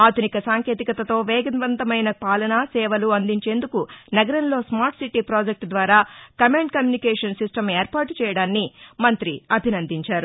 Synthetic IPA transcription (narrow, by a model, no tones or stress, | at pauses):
aːd̪ʱunikɐsaːŋke̞ːt̪̬ikɐt̪ɐt̪o̞ːʋɛːɡɐnʋɐnt̪ɐmɐjnɐpaːlɐnasɛːʋɐluɐnd̪iɲt͡ʃe̞ːnd̪ukunɐɡɐɾɐnlo̞ːsmaːɾʈsiʈːipɾaːd͡ʒek̚ʈd̪ʋaːɾaːkɐmeːɳɖ̚kɐmjuːnikɛːʂɐnsisʈɐmeːɾpaːʈt͡ʃɛːjɐɽaːnːimɐnt̪ɾiɐbʱinɐnd̪iɲt͡ʃaːɾu